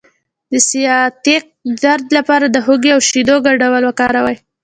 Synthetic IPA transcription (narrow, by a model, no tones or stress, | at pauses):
d̪əsijɑt̪eq̚d̪aɾd̪lapɑɾad̪əɦoɡeawʃid̪oɡaɖawəlwəkɑɾawaj